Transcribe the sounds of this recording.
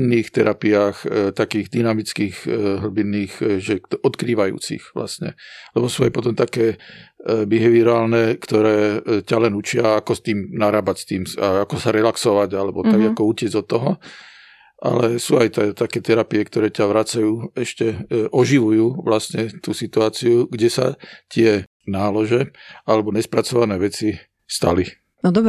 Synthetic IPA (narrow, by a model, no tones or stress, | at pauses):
nːiːxt̪ɛɾʔapiaːxt̪akiːɣd̪inamit͡skiːɣɦl̩binːiːɣʒɛɔt̪kɾiːʋajṵːt͡sḭxʋla̰sɲɛ̰lɛbɔsuːajpɔt̪ɔmt̪akɛː | biɦɛʋiɾɔaːlnɛkt̪ɔɾɛːcalɛnut͡ʃɪaakɔst̪iːmnaɾaːbacst̪iːmaakɔsaɾɛlaksɔʋaɟalɛbɔt̪aɡakɔucɪɛd͡zɔt̪ːɔɦɔ | ʔa̰lɛsuːajt̪ɛt̪akɛːt̪ɛɾapiɛkt̪ɔɾɛːcaʋɾat͡sajuːɛʃcɛʔɔʒiʋujuːʋlast̪ɲɛt̪uːsit̪uaːt͡siuɡɟɛsa̰t̪ɪɛ | naːlɔʒɛalɛbɔɲɛspɾat͡sɔʋanɛːʋɛt͡si | st̪a̰li | nɔd̪ɔb